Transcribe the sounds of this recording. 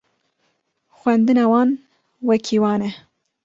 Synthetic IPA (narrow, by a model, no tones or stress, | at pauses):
xwɛnd̪ɨnɑːwɑːn | wɛkʰiwɑːnɛ